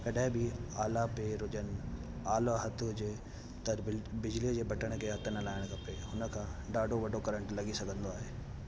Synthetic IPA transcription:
kɐɗãɦɪ̃bɪaːlapeɾʊd͡ʑən | aːlaɦɐt̪ʰd͡ʑeː | t̪ɐɾbɪd͡ʑlid͡ʑeːbɐʈəɽ̃kʰeːɦɐt̪ʰənəlaːɪɽ̃kɐpeɦʊnəkʰãɖaːɖʱoʋɐɖʱokɐɾə̃ɳʈlɐɡisɐɡʱə̃nd̪oaːɦeː

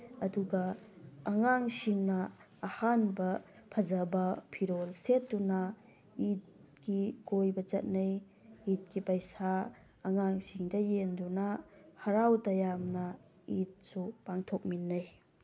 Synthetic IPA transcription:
ɐduɡɐː | ŋaŋsiŋnɐː | hanbɐ | pʰɐzɐbɐpʰiɾolsetːunɐ | it̚kikojbɐt͡ʃɐ̰t̚nɐj | it̚kipɐjsaː | ŋaŋsiŋdɐjendunɐhɐɾawtɐjamnɐ | it̚supaŋtʰok̚minːɐj

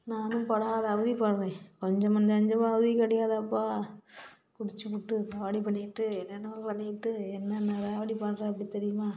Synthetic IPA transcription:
naːnɯmpɐɽaðɐɐʋɯðipaːɾɾẽːkɔɲd͡ʒɐ̃mɐnd͡ʒɐɲd͡ʒɐmaːɐʋɯðikːɐɽɪjaːðɐːpːaː | kʊɽɪt͡ʃːɯpːʊʈːɯt̪aːʋɐɽipɐɳːɪɪʈːɯɛnːɛnːɐmɐlpɐɳːɪkɪʈːɯɛnːɐnːɐt̪aːʋɐɽipaːɾãːɐpɐɽit̪ɛɾɪjɯmaː

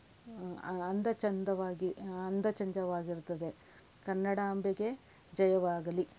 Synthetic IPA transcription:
ɐnd̪ɐt͡ʃɐnd̪ɐʋaːɡiɐnd̪ɐt͡ʃɐɲd͡ʒɐʋaːɡiɾut̪ːɐd̪e | kɐnːɐɽaɐmbjɐɡe̞ | d͡ʒɐjɐʋaːɡɐli

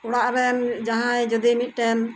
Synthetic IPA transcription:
ɔɽaʔɾɛmd͡ʒaɦãjd͡ʒɔd̪imit̪̚ˀʈɛm

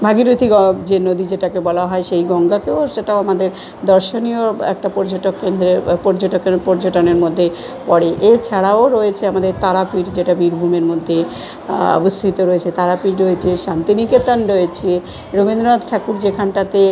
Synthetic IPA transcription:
bʱaɡiɾut̪ʰiɡɔd͡ʑenod̪id͡ʑeʈakebɔlaɦɔeʃejɡɔŋɡak̪eoʃeʈaoamad̪eɾ | d̪ɔɾʃonioɛ̰k̚ʈapɔɾd͡ʑoʈokːend̪ɾepɔɾd͡ʑoʈokepɔɾd͡ʑoʈoneɾmod̪ʱːe | pɔɽeʔet͡ɕʰaɽaoɾoet͡ɕʰeamad̪eɾt̪aɾapiɾd͡ʑeʈabiɾbʱumeɾmod̪ʱːe | ɔ̰bost̪ʰit̪oɾoet͡ɕʰet̪aɾapiʈɾoet͡ɕʰeʃant̪iniket̪anɾojet͡ɕʰe | ɾomind̪ɾoad̪ʈʰakuɾd͡ʑekʰanʈat̪e

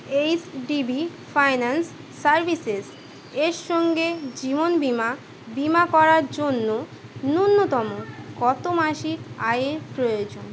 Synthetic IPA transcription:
ejsɖibifajnansː | aɾbʱises | eɾʃɔŋɡed͡ʑibonbima | bimakɔɾaɾd͡ʑonːo | nunːot̪ɔmokɔt̪omaʃikajeɾpɾojod͡ʑon

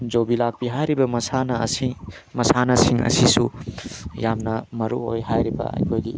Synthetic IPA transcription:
d͡ʒobilak̚biɦajɾibɐmɐsanɐsi | mɐsanɐsiŋɐ̰sisu | jamnɐmɐɾuo̰jɦajɾibɐ̰ɐ̰jkʰojɡi

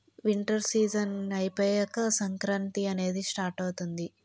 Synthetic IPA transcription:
ʋiɳʈɐɾsiːd͡ʒɐnɐjpeːjɐkːɐsɐŋkɾɐnt̪iɐne̞ːd̪isʈaːɾʈɐwt̪und̪i

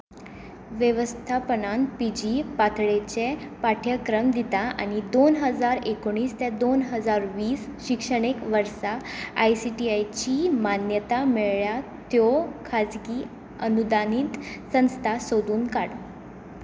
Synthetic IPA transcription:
ʋjəʋəst̪ʰapənanpid͡ʑipat̪ʰɭet͡ɕepaʈʰjəkɾəmd̪it̪aa̰ñid̪onɦəd͡zaɾekoɽ̃iːst̪ɛd̪onɦəd͡zaɾʋiːsɕikʂəɽ̃ekʋəɾsaajsiʈiajt͡ɕimanjət̪ameɭɭjat̪jɔkʰad͡zɡi | ənud̪aniːt̪sə̃w̃st̪ʰasod̪uːnkaɽ

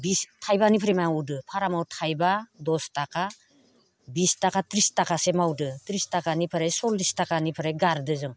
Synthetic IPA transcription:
bistʰajbanipʰɾajmajaŋudɯpʰaɾamawtʰajbadɔstakʰa | bistakʰatɾistakʰasemawdɯtɾistakʰanipʰɯɾajsɔldistakʰanipʰɯɾajɡaɾdɯzɯŋ

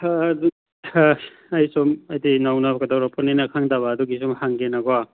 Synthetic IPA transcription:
du | ɐjsumɐjdinawnabɐɡɐdawɾapʰɔninakʰaŋdaβaːduɡisumhaŋɡenaɡɔa

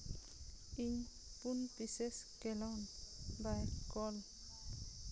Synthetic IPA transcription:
iŋ | punpiseskelɔnbajkɔl

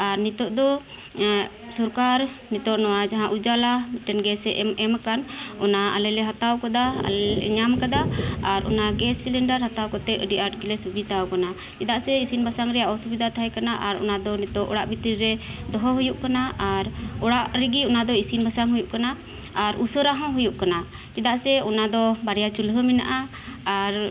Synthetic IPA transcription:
aɾnit̪ɔʔd̪ɔ | sɔɾkaɾnit̪ɔʔnɔwad͡ʒaɦãʔud͡ʒalamɛʈɛnɡɛsɛʔɛmɛmakanɔnaa̰lɛlɛɦat̪awkad̪aa̰lɛɲamkad̪aaɾʔɔ̰naɡɛsilɛɳɖaɾɦat̪awkɔt̪ɛəɖiʔaʈ̚ɡilɛsubid̪awkana | t͡ʃid̪aʔsɛisinbʱasaŋɾɛjaʔɔsubid̪ʱat̪ʰaɦɛjkanaʔaɾɔ̰nad̪ɔnɛt̪ɔʔɔ̰ɽaʔbit̪ɾiɾɛd̪ɔɦɔɦujuʔkanaaɾɔɽaʔɾɛɡiɔnad̪ɔisinbʱasaŋɦujuʔkanaː | ɾusəɾaɦɔ̃ɦujuʔkana | d͡ʒɛd̪aʔsɛɔnad̪ɔbaɾɛjat͡ʃulɦəmɛna̰ʔaː | ɾ

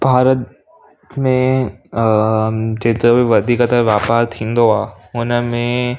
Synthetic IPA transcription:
bʱaːɾət̪̚ | mẽ | d͡ʑeːt̪ɾəbiʋɐd̪ʱiːkət̪əʋjaːpaːɾt̪ʰĩːn̆d̪oaː | ʊnəmẽ

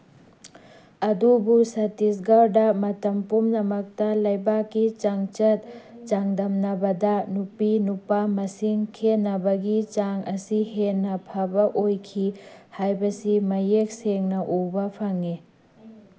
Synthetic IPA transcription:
ɐdubusɐtisɡawdɐmɐtɐmpumnɐmɐk̚tɐlɐjbakːit͡ʃaŋt͡ʃɐt̚t͡ʃaŋdɐmnɐbɐdɐnupinupamɐsiŋkʰenɐbɐɡit͡ʃaŋɐsiɦenːɐpʰɐbɐʔojkʰihajbɐsimɐjek̚seŋnɐʔubɐpʰɐŋi

